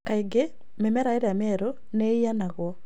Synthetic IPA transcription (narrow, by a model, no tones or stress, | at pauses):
kaiɡe | memɛɾaeɾeamɛɾo | neianaɣwɔ